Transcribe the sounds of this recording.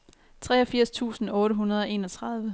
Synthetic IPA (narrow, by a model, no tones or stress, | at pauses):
t͡sʰʁɛ̰ːɒ̽fiɐ̰st͡sʰṵːsn̩ɔ̽ːɾəɦunɐð̞ˠɒ̽e̝ːnɒt͡sʰʁɑð̞ˠʋə